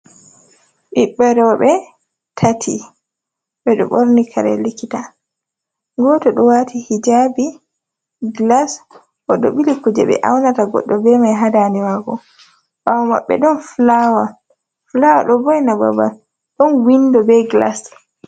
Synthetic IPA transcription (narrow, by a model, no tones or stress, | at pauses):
ɓiɓːɛɾɔɓɛ | tʰatʰḭ | ɓɛɗɔ̰ɓoɾnikʰaɾɛ̰likːita | ɡɔtɔɗɔwaːtʰihid͡ʒabi | ɡlas | ʔɔɗɔ̰ɓilikud͡ʒɛ̰ɓɛ̰ʔawnataɡɔ̰ɗːɔbɛmajɦadaniwaːɡɔ | wawma̰ɓːɛ̰ɗɔnflawa | flawa̰ɗɔbɔjnaba̰ba̰ | ɗɔnwindɔbɛɡla̰s